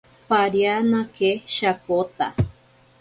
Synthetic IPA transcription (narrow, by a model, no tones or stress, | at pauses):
paɾjanãkeʃakot̪a̰